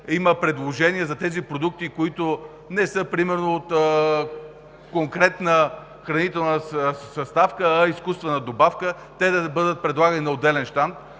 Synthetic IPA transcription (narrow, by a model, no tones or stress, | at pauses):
iməpɾɛd̪lˠoʒɛniɐzɐt̪ɛzipɾod̪uk̚t̪ikoit̪o | nɛsɤpɾimɛɾnoːt̪ | koŋkɾɛt̪nə | xɾɐnit̪ɛlˠnəsɐst̪afkəːiskust̪vɛnɐd̪obafkə | t̪ɛd̪ɐbɤd̪ət̪̚pɾɛd̪lˠaɡɐninɐod̪ɛlɛnʃt̪ant̪